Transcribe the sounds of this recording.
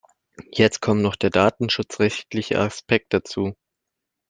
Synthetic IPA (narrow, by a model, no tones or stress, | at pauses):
jɛt͡st̚kʰɔmnɔχd̥eːɐdaːtn̩ʃʊt͡sʁɛçtlɪçə̰ʔa̰spʰɛk̚t̚d̥at͡suː